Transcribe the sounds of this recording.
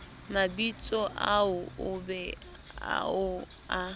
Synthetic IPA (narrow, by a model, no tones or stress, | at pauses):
mabit͡sʼɔʔaʊʊbɛ̰ | ʊ | a